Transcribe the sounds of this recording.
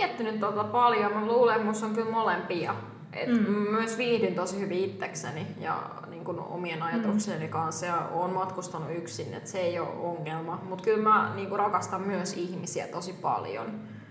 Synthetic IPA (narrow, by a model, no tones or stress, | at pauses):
ɛt̪ːynyt̪t̪ot̪ɑpɑljomɑluːlemmusoŋkylmolempiɑ | ʔḛt̪mmæmyøsʋiːhdint̪osihyʋiit̪ːeksenijɑ̰ | niːŋkuno̰mienɑjɑt̪ukseːnikɑnsjɑo̰ːnmɑt̪kust̪ɑnuyksinːḛt̪seeio̰oŋːelmɑmut̪kylmæniːŋkurɑkɑst̪ɑmmyøsihmisiæ̰t̪osipɑ̰ljo̰n